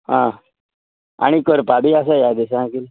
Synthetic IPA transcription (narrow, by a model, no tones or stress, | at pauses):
ɦã | a̰ɽ̃ikəɾpabias̬ajad̪esãkil